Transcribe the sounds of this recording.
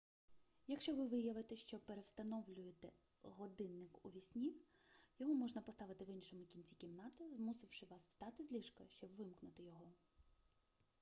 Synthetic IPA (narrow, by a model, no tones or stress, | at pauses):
jɐkʃt͡ʃɔʋɪʋɪjɐʋɪt̪ɛʃt͡ʃɔpeɾewst̪ɐnɔʋlʲʊjet̪ɛ | ɦɔd̪ɪnːɪkuʋʲisʲnʲiw | jɔɦɔmɔʒnɐpɔst̪ɑʋɪt̪ɪʋinʃɔmʊkʲinʲt͡sʲikʲimnɑt̪ɪzmusɪwʃɪʋɑswst̪ɑt̪ɪzʲlʲiʃkɐʃt͡ʃɔbʋɪmknʊt̪ɪjɔɦɔ